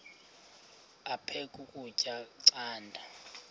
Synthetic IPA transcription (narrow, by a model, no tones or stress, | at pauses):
apʰekʼukʼut͡ʃʼaǀaːndʱa